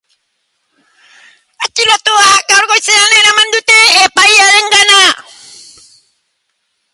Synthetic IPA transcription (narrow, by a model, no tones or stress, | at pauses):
at͡ʃːilɔt̪oakaɾkoseanenamand̪ut̪eepaialɛŋɡana